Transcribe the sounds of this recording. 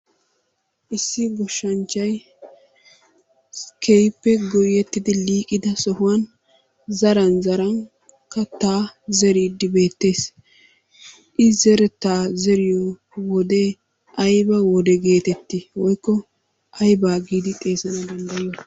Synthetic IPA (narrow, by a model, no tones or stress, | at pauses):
ʔɪsːɪɡɔʃːɐnt͡ʃːɐj | kʰejpːɛɡɔjɛt̪ːɪd̪ɪliːkʼːɪd̪ɐsɔhʊwɐn | zɐɾɐnzɐɾɐŋ | kːɐt̪aːzɛɾiːd̪ːɪbe̞ːt̪ːe̞ːs | ʔɪzɛɾɛt̪aːzɛɾɪjɔ | wɔd̪e | ʔɐjbɐwɔd̪ɛɡe̞ːt̪ɛt̪ːɪwɔjkːɔ | ʔɐjbaːɡiːd̪ɪt̪ʼe̞ːsɐnɐd̪ɐnd̪ɐjɪjɔ